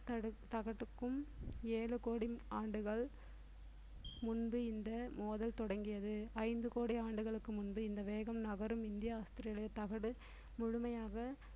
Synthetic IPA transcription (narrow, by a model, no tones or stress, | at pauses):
t̪ɐɯt̪ɐɣɐʈːɯkːɯmeːlɯkoːɽiaːɳɖɯɣɐɭ | mʊnbɯɪnd̪ɐmoːðɐlt̪ɔɽɐŋɡɪjɐðɯɐɪnd̪ɯkoːɽiaːɳɖɯɣɐɭɯkːɯmʊnbɯɪnd̪ɐʋeːɣɐmnɐɣɐɾɯmɪnd̪ɪjɐaːst̪ɪɾɪjɐɭɐjɐt̪ɐɣɐɽɯ | mʊɻʊmɐjaːɣɐ